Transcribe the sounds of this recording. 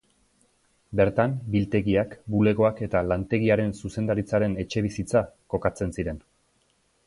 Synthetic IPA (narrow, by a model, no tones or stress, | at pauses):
be̞ɾt̪ambilt̪e̞ɣiakbule̞ɣo̞ake̞t̪alant̪e̞ɣiaɾe̞nsuse̞nd̪aɾit͡saɾe̞ne̞t͡ʃe̞β̞isit͡sako̞kat͡se̞nsiɾe̞n